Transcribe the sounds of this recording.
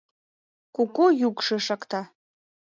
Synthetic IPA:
kʼukʷʼojukʷʂɨʂakʼt̪ʰa

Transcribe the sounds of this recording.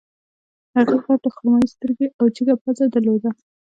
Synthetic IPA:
haɣixaʈaxʊɾmajist̪əɾɡeʔawd͡ʒiɡapazad̪əɾlod̪a

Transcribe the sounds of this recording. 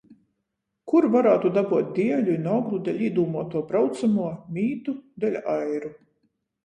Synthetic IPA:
kuɾvaɾaːt̪ud̪abuɔt̪̚ʲd̪ʲiɛlʲuinɔɡlˠud̪ɛlʲiːd̪uːmuɔt̪uɔbɾawt̪samuɔmʲiːt̪ud̪ɛlʲajɾu

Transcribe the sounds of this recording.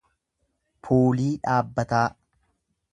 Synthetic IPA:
pʰoːliːᶑaːbːɐt̪aː

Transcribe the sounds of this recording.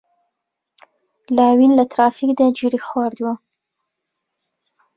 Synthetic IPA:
lɑwinlat̪ɾɑfikd̪əd͡ʒuɾixwɑɾd̪wa

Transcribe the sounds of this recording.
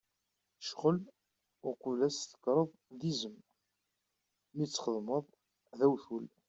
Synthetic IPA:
ʃʁəl | ʊɾqəvlæst̪ə̥kɾˤəðˤðizəm | mit͡sːχəðˤməðˤ | ðæwθul

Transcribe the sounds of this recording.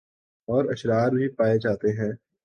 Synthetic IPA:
ɔːɾɐʃɾaːɾbʱipaːed͡ʒaːt̪eɦɛ̃ː

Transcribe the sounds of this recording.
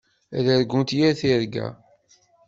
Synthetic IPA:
ðæɾɡʷunt̪jæɾθiɾɡæ̰

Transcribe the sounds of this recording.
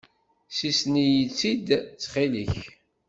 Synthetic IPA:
sisnijət͡sːid̪t͡sːχiliç

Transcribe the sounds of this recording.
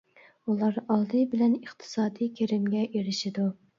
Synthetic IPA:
ulˠɑɾɑlˠd̪ɨbɪlɛniχt̪ʰɨ̥sɑːd̪ijkʲʰeɾɪmɡʲɛʔeɾɪʃɪd̪u

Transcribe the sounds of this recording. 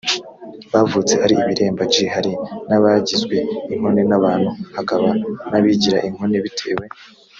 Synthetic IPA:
βavut͡se̞haɾiiβiɾe̞ːmbat͡ʃihaɾinaβaɟizɡwe̞iŋ̥ho̞ne̞naβaːn̥huhakaβanaβiɟiɾaʔiŋ̥ho̞ne̞βitʰe̞ːwe̞

